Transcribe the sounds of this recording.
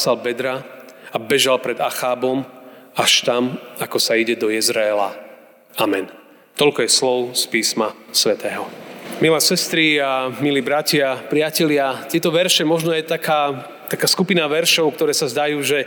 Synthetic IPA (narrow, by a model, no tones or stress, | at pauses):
salbɛd̪ɾa | abɛʒalpɾɛd̪axaːbɔmaʃt̪amakɔsaiɟɛd̪ɔjɛzɾɛɛla̰ | amɛn | t̪ɔlkɔjɛslɔʊspiːsmasʋɛt̪ɛːɦɔmilɛːsɛst̪ɾiamiliːbɾacɪapɾɪacɛʎɪat̪ɪɛt̪ɔʋɛɾʃɛmɔʒnɔjɛt̪akaː | t̪akaːskupinaʋɛɾʃɔʊk̚t̪ɔɾɛːsazd̪ajuːʒɛ